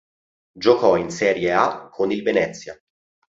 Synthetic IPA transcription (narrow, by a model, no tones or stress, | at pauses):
d͡ʒokɔinsɛːɾjeakʰːonilvenɛt̪sːja